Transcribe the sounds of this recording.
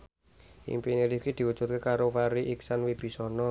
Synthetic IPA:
ʔḭmpiniɾikid̪̥i̤wud̥ʒ̥ṳt̪̚kekaɾofaɾiʔiksanwib̥i̤sɔnɔ

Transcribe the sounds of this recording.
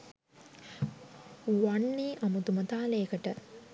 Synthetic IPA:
waɳːeːʔɐmut̪umɐt̪aːləjkəʈə

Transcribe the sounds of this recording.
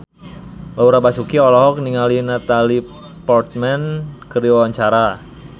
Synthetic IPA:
lauɾabasukiɔlɔɦɔk̚niŋalinat̪ali | pɔrt̪̚mɛnkəɾiwawaɲt͡ʃaɾa

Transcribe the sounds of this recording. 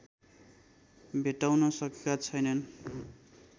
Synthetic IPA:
bʱeʈawnʌsʌkekat͡sʰʌjnʌn

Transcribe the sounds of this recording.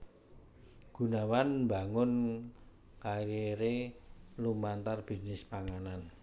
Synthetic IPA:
ɡ̥ṳnawanmbaŋʊn | kaɾeɾelumant̪arb̥i̤nɪspaŋanan

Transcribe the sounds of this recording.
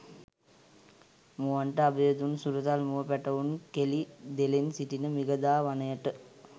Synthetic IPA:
muʋaɳʈəabejəd̪unsuɾət̪almuʋəpæʈəʋunkelid̪elensiʈinəmiɡəd̪aːʋanəjəʈə

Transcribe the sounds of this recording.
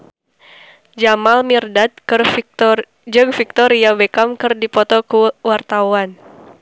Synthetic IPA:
d͡ʒamalmirdat̪̚kɨr | d͡ʒəɡfik̚t̪ɔɾiabekamkɨrdipɔt̪ɔkuwart̪awan

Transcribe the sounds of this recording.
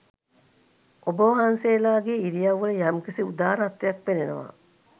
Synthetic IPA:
obəʋɦanseːlaːɡeiɾijaʋːələjamkisiud̪aːɾat̪ːejɐk̚penenəʋa̰

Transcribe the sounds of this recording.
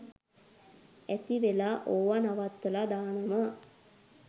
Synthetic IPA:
æt̪iʋelaʔoːʋanaʋat̪ːəlad̪aːnəma

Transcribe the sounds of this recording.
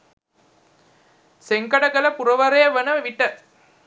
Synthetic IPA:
seŋkɐɽɐɡɐlɐpuɾɐʋɐɾɐjɐʋɐnɐʋʋiʈːə

